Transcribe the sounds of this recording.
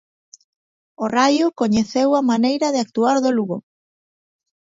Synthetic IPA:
orajʊkoɲeθewɐmanejɾɐðɪak̚t̪uaɾðoluɣo

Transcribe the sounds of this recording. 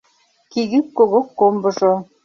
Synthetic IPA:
kiɣykkoɣokːombɤ̆ʒo

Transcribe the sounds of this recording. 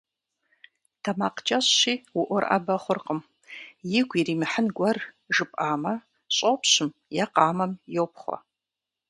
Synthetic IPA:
tʰɐmaːqt͡ʃʼɐɕːiːwʊʔʷɔrʔɐ̰bɐχʷʊrqəm | jɪɡʷiriːmɨħənɡʷɐr | ʒɨpʼaːmɐ | ɕʼopɕɪmjaqɑːmɐmjowp̚χʷɔ̰

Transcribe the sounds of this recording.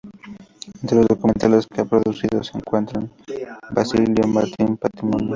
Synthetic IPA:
ent̪ɾelozðokument̪aleskeapɾoðuθiðoseŋkwent̪ɾaŋ | bɾasiljomaɾt̪impat̪ɾimonjo

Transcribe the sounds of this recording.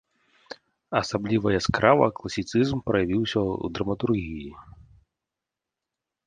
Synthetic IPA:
ɐsablʲivɐjɐskɾavɐ̰klˠɐsʲit̪sɨzmpɾɐjavʲiwsʲɐṵd̪ɾɐmɐt̪urɣʲiji

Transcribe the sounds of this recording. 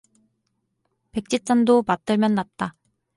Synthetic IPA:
pe̞k̚t͡ɕ͈it̚t͡ɕ͈andomat̚t͈ɯɭmjʌnːat̚t͈a

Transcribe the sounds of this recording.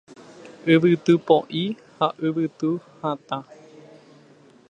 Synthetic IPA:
ʔɨʋɨt̪ɨpoʔi | haʔɨʋɨt̪ɨhãt̪ã

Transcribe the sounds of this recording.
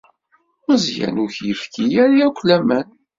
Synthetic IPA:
məzjæ̰nuçjəfkijæɾjækʷlæmæn

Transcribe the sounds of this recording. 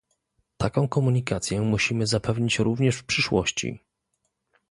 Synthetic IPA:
t̪akɔ̃w̃kɔmuɲikat̪sʲjɛmuɕimɘzapɛvɲit͡ɕɾuvɲɛʂfpʂɘʂwɔ̰ɕt͡ɕḭ

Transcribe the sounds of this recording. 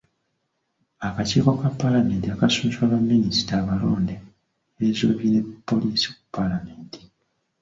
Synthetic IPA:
akaciːko̞kapːalame̞ːntiakasunswaβamːinistaːβaloːnde | ezoβine̞pːo̞liːsi̥ku̥pːalame̞ːnti̥

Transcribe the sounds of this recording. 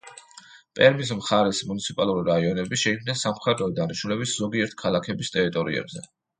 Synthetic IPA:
pʼɛɾmis̬mχaɾɛsmunit̪sʰipʼalˠuɾiɾaiɔnɛbiʃɛikʰmnd̪ɛnsamχɛd̪ɾɔd̪aniʃnulɛbiszɔɡiɛɾt̪̚ʰkʰalˠakʰɛbist̪ʼɛɾit̪ʼɔɾḭɛ̰bzɛ̰

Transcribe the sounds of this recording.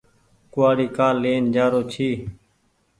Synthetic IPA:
kʊaːɽiːkaːlːeːnd͡ʒaːɾoːt͡ʃʰiː

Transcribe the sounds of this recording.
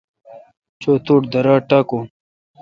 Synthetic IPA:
t͡ɕoːt̪uːʈd̪ɐɾaːʈako

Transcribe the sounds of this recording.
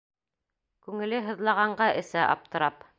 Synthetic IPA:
kʉŋɘ̆lɘɦɤ̆ðlˠɑʁɑɴɢɑʔɘ̆sæʔɑ̰p̚t̪ɤ̆ɾɑp

